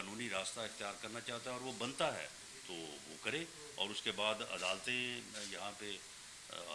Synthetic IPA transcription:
aːnuːniɾaːst̪aɪxt̪ijaːɾkɐɾnat͡ʃaːɦt̪aɦɛɔːɾʋobɐ̃nt̪aɦɛ̰ː | t̪oʋo̰kɐɾẽː | ɔ̰ːɾʊskebaːd̪ɐ̰d̪aːlt̪ẽjɐɦãpe

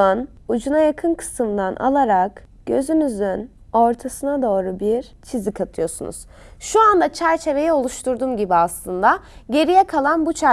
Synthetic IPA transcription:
an | ud͡ʒunajakʰɯnkʰɯ̥sɯmd̪anʔa̰lˠaɾak | ɟ̥ø̞zymyzyn | o̞ɾt̪ʰasɯnad̪o̞ːɾubiɾ | t͡ʃʰizikʰat̪ʰɯjo̞sṵnṵz̥ | ʃuand̪at͡ʃʰæɾt͡ʃʰe̞ve̞jɛo̞lˠuʃt̪ʰuɾd̪umɟibiaslˠɯnd̪aɟe̞ɾijɛkʰalˠanbut͡ʃʰæ

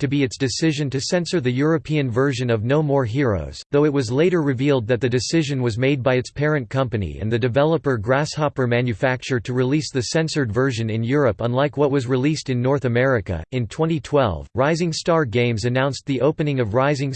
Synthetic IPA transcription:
tʰɨbiɨtsd̥ɨsɪʒɨ̃ntɨsɛ̃nsə˞ðɨjʊɹɨpʰiɨ̃nvɜ˞ʒɨ̃nʌvnoʊmɔɹɦɪɹo̰ʊz̥ðoʊɨt̚wʌzleɪɾə˞ɹɨvilˠd̪̚ðɨt̪̚ðɨdɨsɪʒɨ̃nwʌzmeɪd̚baɪɨtspʰɛɹɨ̃nkʰʌ̃mpɨnḭɨ̰̃nðɨdɨvɛlˠəpə˞ɡɹæshɑpə˞mæ̃njɨfæk̚t͡ʃə˞tʰɨɹilisðɨsɛ̃nsə˞dvɜ˞ʒɨ̃nɨ̃njʊɹɨpə̃nlaɪkwʌt̚wʌzɹilistɨ̃nːɔɹθɨmɛɹɨkɨ̰ɨ̃ntʰw̥ɛ̃ɾ̃itʰw̥ɛ̰lˠvɹaɪzɪ̃ŋstɑɹɡẽɪ̃mzɨnãʊ̃nsðiʔoʊpɨnɪ̃ŋʌvɹaɪzɪ̃ŋ

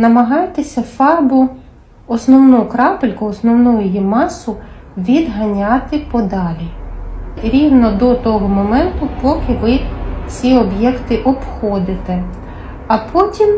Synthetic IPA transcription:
nɐmɐɦɑjt̪esʲɐfɑrbʊ | ɔsnɔwnukɾɑpelʲkʊɔsnɔwnujʊjimɑsʊ | ʋʲid̪ɦɐnʲɑt̪ɪpɔd̪ɑlʲi | ɾʲiwnɔd̪ɔt̪ɔɦɔmɔmɛnt̪ʊpɔkɪʋɪt͡sʲiɔbjɛkt̪ɪʔɔpxɔd̪ɪt̪ɛ | ɐpʰɔtʲim

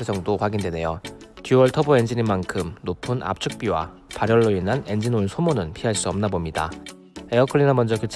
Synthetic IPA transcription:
ed͡ʑʌŋdokwaɡindwe̞ne̞jotjuwʌɭtʰʌboe̞nd͡ʑinimankʰɯmnopʰɯnʔa̰p̚t͡ɕʰuk̚p͈iwa̰ | paɾjʌɭːoinɦane̞nd͡ʑinoɯnsʰomonɯnpʰiɦaɭs͈uʌmnabomɲida̰ | eʌkʰɯɭːinamʌnd͡ʑʌkut͡ɕʰ

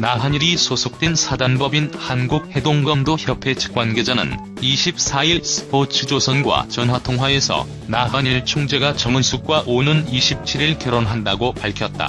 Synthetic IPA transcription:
naɦaɲiɾisʰosʰok̚t͈wensʰadanbʌbinhanɡuk̚he̞doŋɡʌndoçjʌpʰe̞t͡ɕʰɯ̥k͈wanɡe̞d͡ʑanɯ̰n | iɕʰip̚s͈ʰaiɭsʰɯ̥pot͡ɕʰɯd͡ʑosʰʌnɡwa̰t͡ɕʌnwatʰoŋɦwae̞sʰʌ̰ | naɦaɲiɭt͡ɕʰoŋd͡ʑe̞ɡat͡ɕʌŋɯnsʰuk̚k͈waʔonɯniɕʰip̚t͡ɕʰiɾiɭkjʌɾonɦandaɡopaɭkʰjʌt̚t͈a̰

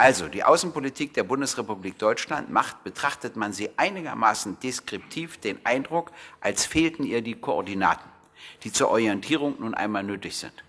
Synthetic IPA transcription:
ʔalzodiːʔaʊsn̩politʰiːk̚d̥eːɐbʊndəsʁepubliːk̚d̥ɔʏt͡ʃla̰ntma̰χtb̥ətʁ̥aχtətmanziːʔaɪnɪɡɐma̰ːsn̩d̥eskʁ̥ɪp̚tʰiːfd̥eːnʔaɪndʁʊkʔalsfeːltn̩ʔiːɐdiːkʰoɔɐdina̰ːtn̩ | d̥iːt͡suːɐʔɔʁjɛntʰiːʁ̞ʊŋnuːnʔa̰ɪnmaːlnøːtɪçz̥ɪ̰nt

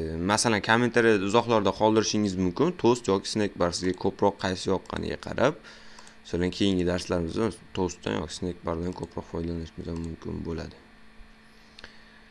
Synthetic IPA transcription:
masalankʰome̞nt̪ʰaɾijaɪzɒχlˠaɾd̪aqʰɒlˠd̪ɪɾɪʃɪŋɪzmʊmkʲɪnt̪ʰost̪jɒkʲɪ̥snek̚baɾsɪzɡʲakʰɵpɾɒqʰːɑjsɪjɒp̚qʰɑ̰nɪ̰ɡʲa̰qʰɑ̰ɾap̚ | ḁsalankʲʰe̞jɪŋɡʲɪd̪aɾslaɾɪmɪzd̪at̪ʰost̪ːa̰njɒ̰kʲɪ̥snekʲbaɾd̪ankʰɵpʰɾɒqfɒjd̪alanɪʃɪmɪzamʊmkʲʰɪ̰nbola̰d̪ɪ

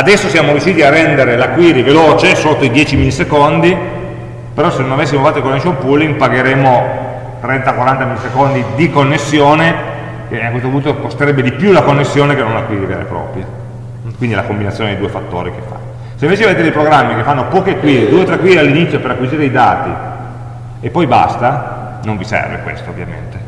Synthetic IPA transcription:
ad̪ɛsːosjaːmoɾjuʃːiːt̪iarːɛnd̪eɾelakwiːɾiveloːt͡ʃesot̪ːoid̪jɛːt͡ʃimilːisekond̪i | peɾɔsenonavesːimofat̪ːoikonːesompulːiŋpaɡeɾeːmo | t̪ɾɛnt̪akwaɾant̪amilːisekond̪id̪ikonːesːjoːne | keakːwest̪opunt̪okost̪eɾɛbːed̪ipjulakonːesːjoːnekenonakwiziɾea̰lḛpɾɔ̰ːpɾje | kwind̪ilakombinat̪sjoːndejd̪uːefat̪ːo̰ːɾik̟efːa̰ | seiɱveːt͡ʃevoet̪edeipɾoɡɾamːikefːanːopɔːkekwiːɾed̪uːet̪ɾekːwiːɾealːinit̪sːjopeɾakːwiziːɾeid̪aːt̪i | epːɔjba̰st̪a | noɱvisɛ̰rvḛkwḛst̪oo̰vːja̰mḛnt̪e

